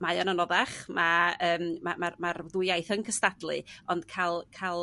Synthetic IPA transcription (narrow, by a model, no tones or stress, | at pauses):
majɔnanɔðaχmaəːmmamarmarðʊjajθənkʰəstadlˠɨɔnd̥kʰalˠkʰalˠ